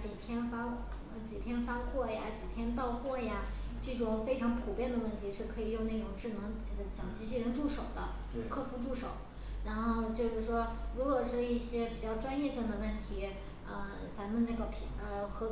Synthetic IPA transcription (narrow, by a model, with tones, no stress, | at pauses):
t͡ɕi˨˩t̪ʰjɛ˥nfa˥˧˩ | t͡ɕi˨˩t̪ʰjɛ˥nfa˥kʰwɔ˥˩ja˨˩t͡ɕi˨˩t̪ʰjɛ˥nt̪ɑ˥˧ʊxwɔ˥˩ja˩ʈ͡ʂɤ˥˩ʈ͡ʂʊ˨˩ŋfe˥ɪʈ͡ʂʰɑ˧˥ŋpʰu˨˩pjɛ˥˩nd̪ə˩wə˥˩nt̪ʰi˧˥ʂɻ̩˥˩kʰɤ˧˥i˨˩jʊ˥˧ŋna˥˩ʈ͡ʂʊ˨˩ŋʈ͡ʂɻ̩˥˩nɤ˧˥ŋt͡ɕt͡ɕjɑ˨˩ŋt͡ɕi˧˥ɕ̬i˥˩ɻə˧˥nʈ͡ʂu˥˩ʂo˨˩ʊd̪ə˦˥˧ | kʰɤ˥˧pu˥˧ʈ͡ʂu˥˩ʂo˨˩˦ʊ | ɻa˧˥nxo˥˧ʊt͡ɕjo˥˧ʊʂɻ̩˥˩ʂwɔ˥ɻu˧˥kwɔ˨˩ʂɻ̩˥˧i˥˩ɕjɛ˥pi˨˩t͡ɕjɑ˥˩ʊʈ͡ʂwa˥njɛ˥˧ɕi˥˩ŋd̪ə˩wə˥˩nt̪ʰi˧˥ | ə˧ | t͡sa˧˥mə˨na˥˩ɡə˩pʰə˧xɤ˧˥